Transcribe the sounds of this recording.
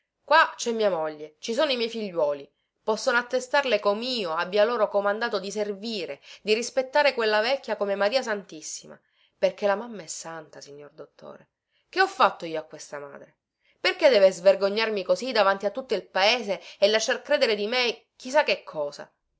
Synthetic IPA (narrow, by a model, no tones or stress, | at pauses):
kwat͡ʃɛmːiːamoʎːet͡ʃisoːnoimjɛjfiʎːwɔːli | pɔsːonoat̪ːest̪arlekomiːoabːjaloːɾokomand̪aːt̪od̪iserviːɾed̪irispet̪ːaːɾekwelːavɛkʲːjakomemaɾiːas̬ant̪isːima̰ | perkelamamːaɛsːant̪asiɲːord̪ot̪ʰːo̰ːɾe | keɔfːat̪ːoiːoakːwest̪ama̰ːd̪ɾe | perked̪ɛːvezverɡoɲːarmikozid̪avant̪iat̪ːut̪ːoilpaeːzeːlːaʃːarkɾeːd̪eɾed̪ime | k̟is̬akːekʰːɔːza̰